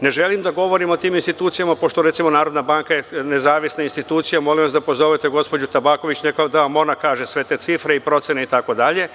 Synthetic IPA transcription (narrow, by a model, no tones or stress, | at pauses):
ne̞ʒe̞limd̪aɡo̞ʋo̞ɾimo̞t̪iːminst̪it̪uːt̪sijamapoʃt̪o̞ɾe̞t̪simo̞naːɾo̞d̪nabaːŋkajene̞zaːʋisnainst̪it̪uːt̪sijamo̞limʋasd̪apozoʋet̪eɡo̞spod͡ʑut̪abaːko̞ʋit͡ɕnekad̪aamo̞nakaːʒesʋe̞t̪e̞ːt̪sifɾe̞ipɾo̞t̪seneit̪ako̞d̪aʎe̞